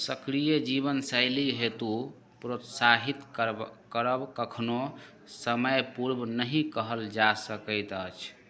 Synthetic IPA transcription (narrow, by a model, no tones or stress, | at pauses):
səkɾijəd͡ʒiβənsəjliɦet̪u | pɾot̪saɦit̪kəɾəbkəkʰno | səməjpuɾbnəɦĩkəɦəld͡ʒasəkəjt̪ət͡ʃʰ